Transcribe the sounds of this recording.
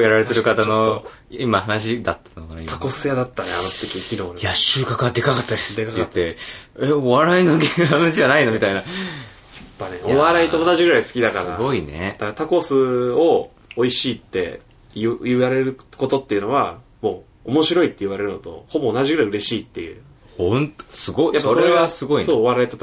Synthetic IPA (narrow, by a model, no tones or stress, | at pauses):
jaɾaɾe̞t̪eɾɯkat̪ano̞ | imaɦanaɕ̬id̪at̪ːḁnokanait̪ako̞sɨjad̪at̪ːaneanot̪ːekʲikʲinoɾjaɕɨːkakɯ̟ad̪e̞kakat̪ːad̪esd̥d̪ekakeaɯtt̪ːeeoβaɾainoɡeab̪d͡ʑanaino̞mʲit̪aina | japːanḛo̞βaɾait̪o̞ːnaʑiɡɯ̟ɾaisɨ̥kʲid̪akaɾaoinḛd̪akat̪ako̞sɨo | oiɕiːt̪ːe̞̰ | ɯβaɾe̞ɾɯ̟ko̞t̪o̞t̪ːe̞jɯ̟no̞βa | mo̞ː | omo̞ɕiɾo̞it̪ːeiɯβaɾe̞ɾɯ̟no̞t̪o̞̰ho̞bo̞ːnaʑiɡɯ̟ɾaiɯɾe̞ɕiːt̪ːe̞jɯ̟̰ | hõnt̪osɨɡoijapːaaoeeasɨɡo̞isoːoβaɾait̪ot̪